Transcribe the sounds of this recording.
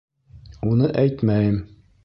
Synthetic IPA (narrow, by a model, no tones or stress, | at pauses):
unɤʔæjt̪mæjɘm